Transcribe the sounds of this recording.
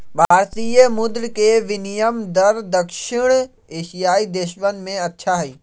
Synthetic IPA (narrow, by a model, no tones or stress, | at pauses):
bʱaːɾt̪ijəmʊd̪ɾkeʋɪnijəmd̪əɾd̪əkʃɪɽ̃ | eːʃijaːid̪eːʃʋənmẽɐtːʃʰaɦɛiː